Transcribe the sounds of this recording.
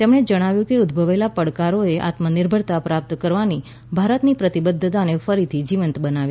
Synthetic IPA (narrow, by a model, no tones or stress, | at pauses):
t̪emɽ̃ed͡ʒəɽ̃aʋjũkiud̪bʱəʋelapəɽkaɾoeʔa̰t̪məniɾbʱəɾt̪apɾap̚t̪kəɾʋani | bʱaɾət̪nipɾət̪ibəd̪ʱːət̪anefəɾit̪ʰid͡ʒiʋənt̪bənaʋi